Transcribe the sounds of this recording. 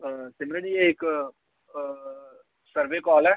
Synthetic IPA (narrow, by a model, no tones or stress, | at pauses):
sɪmɾeɖiɛɪk | səɾʋekɔːlɛː